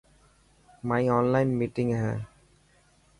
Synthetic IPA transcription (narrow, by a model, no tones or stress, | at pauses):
maɪɔ̃ːnlãɪ̃nmiːʈɪ̃ŋɦa